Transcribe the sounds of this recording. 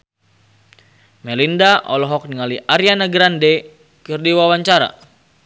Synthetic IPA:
mɛlindaʔɔ̰lɔɦɔk̚niŋaliʔaɾjanaɡɾandɛ | kɨrdiwawaɲt͡ʃaɾa̰

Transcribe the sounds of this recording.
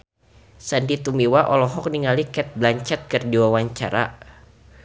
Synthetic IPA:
sandit̪umiwaʔɔlɔɦɔk̚niŋalikɛt̪̚blaɲt͡ʃɛt̪̚kərdiwawaɲt͡ʃa̰ɾa̰

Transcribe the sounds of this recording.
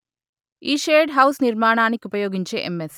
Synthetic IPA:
iːʃeːɖɦɐwsniɾmaːɳaːnikiupɐjoːɡiɲt͡ʃe̞̰ːʔemːes

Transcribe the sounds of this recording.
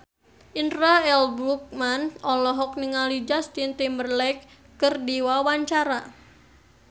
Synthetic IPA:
ʔintraɛlbɾuk̚manɔlɔɦɔk̚niŋalid͡ʒast̪int̪imərlɛkː | ərdiwawaɲt͡ʃaɾa

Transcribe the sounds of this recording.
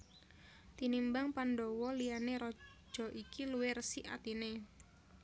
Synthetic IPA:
t̪inimbaŋpanɖɔwɔlijaneɾɔ̥ | ʒ̥ɔ̤ʔikiluwɪrsiʔa̰t̪ine

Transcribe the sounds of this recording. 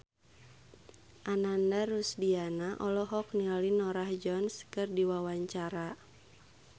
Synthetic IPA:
ʔanandaɾusdianaʔɔlɔɦɔk̚nialinɔɾahd͡ʒɔnskɨrdiwawaɲt͡ʃaɾa

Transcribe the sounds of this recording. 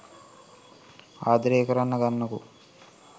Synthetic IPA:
aːd̪ɐɾeːkɐɾɐnːɐɡɐnːɐkṵ

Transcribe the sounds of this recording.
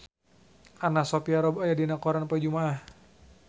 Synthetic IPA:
anasopiaɾɔbajadinakɔɾanpad͡ʒumaːh

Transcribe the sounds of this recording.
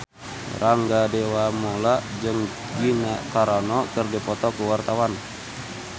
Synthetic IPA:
raŋɡadewamolaʔd͡ʒəŋ | ɡinakaɾɔnɔkərdipɔt̪ɔkuwart̪awan

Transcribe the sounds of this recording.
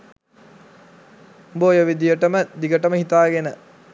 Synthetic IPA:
boːjəʋid̪ijəʈəməd̪iɡəʈəməhit̪aːɡenə

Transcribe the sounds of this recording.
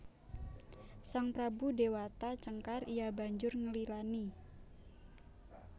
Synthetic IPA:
saŋpɾabudewat̪at͡ʃəŋkarijaba̤ɲd͡ʒʊrŋəlilani

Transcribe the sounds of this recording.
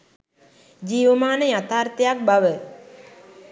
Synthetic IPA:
d͡ʒiːʋəmaːnəjat̪aːrt̪əjak̚baʋə

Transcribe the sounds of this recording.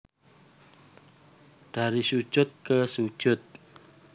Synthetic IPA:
d̥aɾisu̥ʒ̥ʊt̪̚kəsu̥ʒ̥ʊt̪̚

